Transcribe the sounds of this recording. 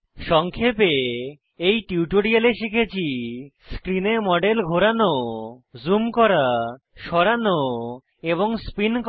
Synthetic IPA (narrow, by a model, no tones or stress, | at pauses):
ʃɔŋkʰepe | ejʈiuʈoɽialeʃikʰet͡ɕʰiskɾineɾmɔɖelɡʱoɾanozumkɔɾa | ʃɔɾano | eβoŋspink